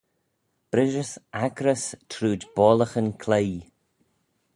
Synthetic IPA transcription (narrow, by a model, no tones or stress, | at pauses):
b̥ɾɪʒəsaɡɾəstʰɾuːdbɔːləxənkʰlej